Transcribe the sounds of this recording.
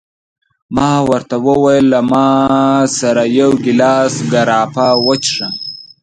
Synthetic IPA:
mɑːwəɾt̪awəwajlːamɑːsaɾajawɡilɑːsɡaɾɑːpawət͡ʃʂəm

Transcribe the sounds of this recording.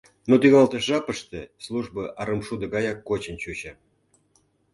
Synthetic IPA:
not̪yɣɑlt̪əʒɑpə̆ʂt̪ĕslˠuʐbɤʔɑɾəmʃud̪ə̆ɡɑjɑkːot͡ɕənt͡ɕut͡ɕə

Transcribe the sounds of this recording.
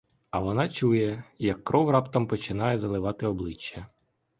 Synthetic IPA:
ɐʋɔnɑt͡ʃujɛjɐkːɾɔwrɑpt̪ɐmpɔt͡ʃɪnɑjɛzɐlˠɪʋɑt̪ɪɔblˠɪt͡ʃːɐ

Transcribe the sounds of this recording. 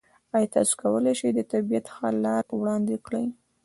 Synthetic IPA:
ɑjt̪ɑ̰su̥kawəlejʃid̪ət̪abijat̪xɑlɑɾwɽɑnd̪ɪkɽəj

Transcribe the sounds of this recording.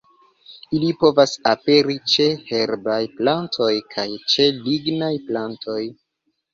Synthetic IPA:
ilipo̞vasape̞ɾit͡ʃe̞he̞ɾbajplantʰo̞jkʰajt͡ʃe̞liɡnajplantʰo̞j

